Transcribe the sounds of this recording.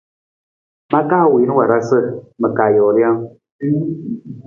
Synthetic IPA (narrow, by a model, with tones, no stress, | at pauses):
ma˦ka˦˨wi˨˦n˦wa˨ɾa˦sɨ˦˨mə˨ka˨jɔ˨ɾja˦ŋ